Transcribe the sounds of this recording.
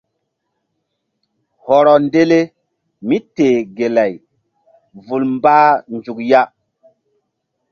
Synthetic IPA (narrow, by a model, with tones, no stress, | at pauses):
hɔ˨ɾɔ˨nde˦le˦ | mi˦teː˨ɡe˨la˨j | vu˨lmbaː˦nd͡ʒu˨kja˦